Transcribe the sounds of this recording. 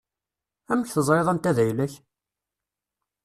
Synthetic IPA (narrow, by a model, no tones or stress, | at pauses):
æməçθəzˤɾeðˤænt̪æðæjləç